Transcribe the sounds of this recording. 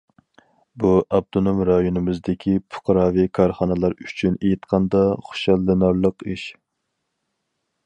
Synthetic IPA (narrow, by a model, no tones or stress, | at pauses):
buʔɑb̚t̪onomɾɑjunɨmɪzd̪ɪkʲʰipʰʊ̥qʰɾɑːvikʰɑɾχɑnɨlˠɑɾyt͡ʃʰynejit̪qʰɑnd̪ɑχʊ̥ʃɑlˠːɨnɑɾlˠəqiʃ